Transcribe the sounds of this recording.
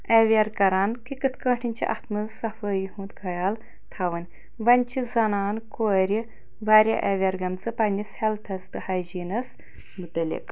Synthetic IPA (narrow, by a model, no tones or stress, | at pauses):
ɐʋʲɐɾkɐɾaːnkikɨt̪ʰkɐ̃ːʈʰinʲt͡ʃʰḭʔɐ̰t̪ʰmɨzsɐfəjiɦũːt̪ɡɐjaːl | t̪ʰɐʋɨnʲ | ʋɐnʲt͡ʃʰizɐnaːnkoːɾʲi | ʋaːɾʲɐ̰ʔɐʋʲɐɾɡɐmt͡sɨpɐnʲishɛlt̪ʰɐst̪ɨhaːjd͡ʒiːnɐs | mut̪ɐlʲḭk